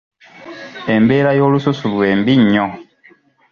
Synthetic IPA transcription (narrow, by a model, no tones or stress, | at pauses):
e̞mbe̞ːɾajo̞ːlususulwe̞ːmbiɲːo